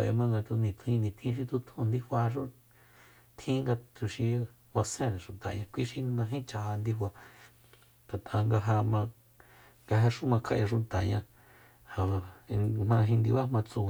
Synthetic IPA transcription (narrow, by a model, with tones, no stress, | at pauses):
a˨ja̰˧mã˧ŋɡa˧t̪u˧nĩ˨t̪ʰĩ˧nĩ˧˨t̪ʰĩ˦ʃ̬i˧t̪u˧t̪ʰũ˧nd̪i˦ɸʷa˧ʃ̬u˦ | t̪ʰĩ˦ŋɡa˧t̪u˧ʃi˧ | wa˧sẽ˦ɾẽ˨ʂu˨t̪a˨ɲã˧kʷi˦ʃi˧nã˧ɦĩ˦t͡ʃa˧ɦa˧nd̪i˦ɸʷwa˧ | t̪a˨t̪ʰa˧ŋɡa˧ɦa˧mã˧ | ŋɡa˧ɦe˧ʂu˦mã˧kʰa˧ʔjã˧ʂ̬u˧t̪a˨ɲã˧ | ha˨a˧mã˧ɦĩ˧nd̪i˧βa˦mã˧t͡sũ˧˨˧